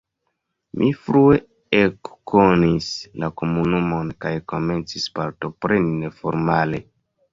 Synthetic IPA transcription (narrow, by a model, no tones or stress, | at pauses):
mʔifɾue̞ | ekːonislako̞munumo̞nkajko̞me̞nt͡sispaɾtopɾe̞nine̞fo̞ɾmale̞